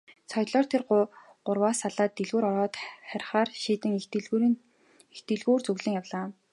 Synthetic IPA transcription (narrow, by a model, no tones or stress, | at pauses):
t͡sʰɔjɮɔːrt̪ʰerɢʊ | ɢʊrwaːsaɮaːt̪ːeɮɣuːɾɔɾɔːt̪χærʲχaːrʃiːt̪ɘ̆ŋ | xt̪eɮɣuːrt͡sɵɣɮɘ̆ŋjawɮaː